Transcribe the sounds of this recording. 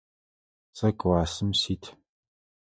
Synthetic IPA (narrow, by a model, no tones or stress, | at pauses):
t͡sʼɐkʷʼwaːsɨmsiːtʰ